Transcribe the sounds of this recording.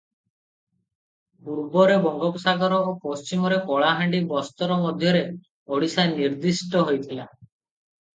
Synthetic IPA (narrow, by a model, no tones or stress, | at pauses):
buɾbɔɾebɔŋɡɔpɔsaɡɔɾɔopɔst͡ʃimɔɾekɔɭaɦaɳɖibɔst̪ɔɾɔmɔd̪ʱjɔɾe | ɔɽisajniɾd̪isʈɔɦojt̪ʰila